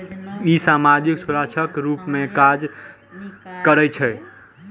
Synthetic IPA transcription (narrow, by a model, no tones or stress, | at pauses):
isamad͡ʒiksuɾat͡ʃʰəkɾupmẽkad͡ʒ | kəɾɛt͡ʃʰɛ